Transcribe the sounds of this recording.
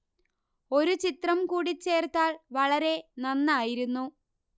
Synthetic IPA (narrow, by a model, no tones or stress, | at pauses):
o̞ɾut͡ɕit̪rɐmkuːɽit͡ɕːe̞ːrt̪aːɭʋɐɭɐɾe̞nɐnːaːjiɾunːu